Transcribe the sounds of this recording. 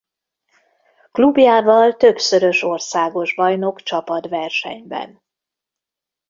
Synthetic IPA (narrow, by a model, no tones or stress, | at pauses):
klubjaːvɒlt̪ø̞bsø̞ɾø̞ʃo̞rsaːɡo̞ʒbɒjno̞kt͡ʃɒpɒt̪vɛrʃɛ̰ɲbɛ̰n